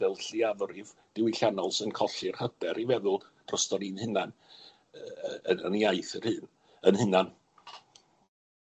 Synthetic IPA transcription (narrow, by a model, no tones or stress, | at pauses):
ɛlˠɬiavrɪvd̥ɪwiɬanɔlˠsənkʰɔɬɪrhəb̥ɛɾʔivɛðʊlˠd̥rɔstɔɾinhɨnan | ənənjajθərhɨːn | ənhɨnan